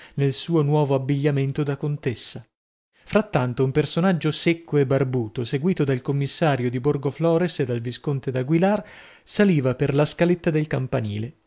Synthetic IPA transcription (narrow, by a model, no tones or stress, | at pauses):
nelsuːonwɔːvoabːiʎːament̪od̪akont̪esːa | fɾat̪ːant̪oumpersonad͡ʒːosekːoebːarbuːt̪oseɡwiːt̪od̪alkomːisːaːɾjod̪iborɡoflɔːɾensed̪ːalviskont̪ed̪aɡwilar | saliːvaperlaskalet̪ːad̪elkampanḭːle